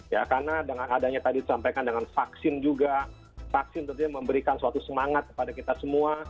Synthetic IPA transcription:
jakarnadəŋanadaɲat̪adidisampajkandəŋanfaksɪnd͡ʒuɡa | faksɪnt̪ənt̪uɲaməmbəɾikansuat̪usəmaŋat̪̚kə̥padakit̪asəmua

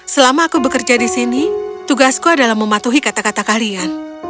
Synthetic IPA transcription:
səlamaːkubəkərd͡ʒadisinit̪uɡaskuadalahməmat̪uɦikat̪akat̪akalian

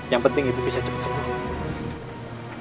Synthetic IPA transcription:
jaŋpənt̪ɪŋit̪ubisad͡ʒəpḁt̪səmaɾa

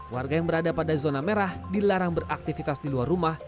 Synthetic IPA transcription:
warɡajaŋbəɾadapadazonameɾahdilaɾaŋbərak̚t̪ifit̪asdiluarumah

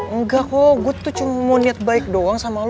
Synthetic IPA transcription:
əŋɡakoɡuat̪ut͡ʃumamoniat̪̚baɪk̚doaŋsamal

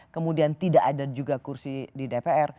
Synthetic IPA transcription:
kəmudiant̪idaʔadad͡ʒuɡakursididepeɛr

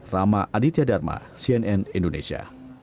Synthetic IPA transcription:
ramaʔadit̪iadarma̰siɛnɛnindonḛsia̰

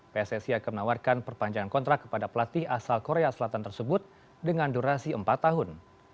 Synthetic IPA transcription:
pesɛsiakamənawarkanpərpaɲd͡ʒaŋankɔnt̪ɾakkːə̥padapəlat̪ɪhasalkoɾeasəlat̪ant̪ərsəbʊt̪̚ | dəŋanduɾasiəmpat̪ːaɦʊn

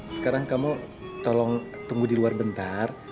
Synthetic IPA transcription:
sə̥kaɾaŋkamu | t̪ɔlɔŋt̪uŋɡudiluarbənt̪ar

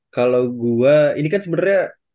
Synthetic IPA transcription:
kalawɡuainikansəbənarɲa

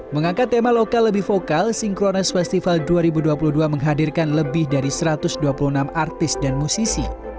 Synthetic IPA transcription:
məŋaŋkat̪ːemalokalːəbɪhfokalsɪŋkɾonɛsfɛst̪ifalduaɾibuduapuluhduaməŋɦadɪrkanləbɪhdaɾisəɾat̪ʊsduapulunamart̪ɪsdanmusisi

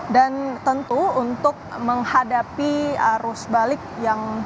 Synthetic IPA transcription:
dant̪ənt̪uːnt̪ʊk̚məŋhadapiaɾusbalɪk̚jaŋ

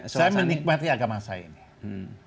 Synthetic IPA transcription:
ajamənik̚mat̪iaɡamasa̰ḭni

